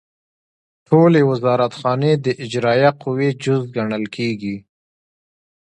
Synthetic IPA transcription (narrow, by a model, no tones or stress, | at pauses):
ʈʰolewɪzɑɾat̪xɑned̪əʔɪd͡ʒɾɑjaqʊwed͡ʒʊzɡaɳəlkʰeɡi